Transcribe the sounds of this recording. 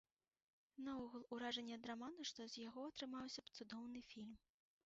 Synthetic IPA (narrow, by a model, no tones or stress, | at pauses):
nɐɔɣulˠuɾaʐɐnʲːɛɐd̪ɾamanɐʂt̪ɔzʲjaɣɔɐt̪ɾɨmawsʲɐpt̪sud̪ɔwnɨfʲilʲm